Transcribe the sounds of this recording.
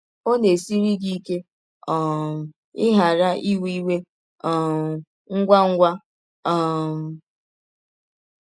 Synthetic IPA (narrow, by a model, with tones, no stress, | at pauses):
o˦ne˨si˦ɾi˦ɡi˦ke˦ | ɔ˨ | ɪ˦ɦa˨ɾa˦ʔi˦wi˦we˦ | ɔ˨ | ŋ̩˦ɡʷa˦ŋ̩˦ɡʷa˦ | ɔ˨m˨